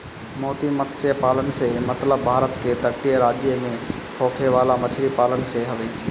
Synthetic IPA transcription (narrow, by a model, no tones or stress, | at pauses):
moːt̪imət̪sjəpaːlənsemɐt̪ləbːʱaːɾət̪ket̪əkʈijəɾaːd͡ʒjemẽ | pʰoːkʰeʋaːlamət͡ʃʰɾipaːlənseɦəʋeː